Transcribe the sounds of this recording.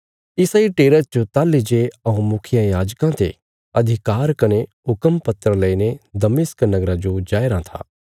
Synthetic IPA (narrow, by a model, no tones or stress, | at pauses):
ɪsaːiʈeːɾət̪̚t͡ʃot̪aːlːid͡ʒeɐũmʊkʰɪjãjaːd͡ʒkãt̪ḛ | ɐd̪ʱɪkaːɾkɐneɦʊkəmpɐt̪ɾəlɐined̪ɐmɪsknɐɡɾad͡ʒod͡ʒaːjɾãt̪ʰa̰ː